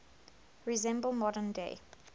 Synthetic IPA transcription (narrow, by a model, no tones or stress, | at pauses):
ɹizɛ̃mbəlˠmɔɾə̃ndḛɪ